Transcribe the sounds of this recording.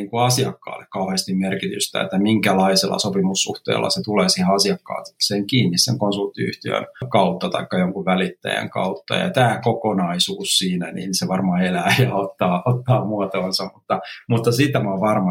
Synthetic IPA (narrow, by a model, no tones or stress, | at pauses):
iːŋkuɑsiɑkːɑ̰ːlːekkɑuhest̪immerkit̪y̰st̪æ̰ḛt̪ːæmiŋkælɑiselːɑ̰sopimusːṵht̪ḛːlːɑ̰set̪uleːsiheɑsiɑkːɑ̰ːt̪kseːŋkiːnːissḛŋkonsult̪ːiy̰ht̪iø̰nkɑut̪ːɑt̪ɑikːɑjoŋkuʋʋælit̪ːæ̰jæ̰ŋkɑ̰ut̪ːɑ̰jɑ̰t̪æːkokonɑisuːssiːnænḭnseʋɑrmɑelæːjɑot̪ːɑːʔot̪ːɑːmuɑt̪oːnsɑmmut̪ːɑmut̪ːɑsit̪ːæmɑʋɑrmɑ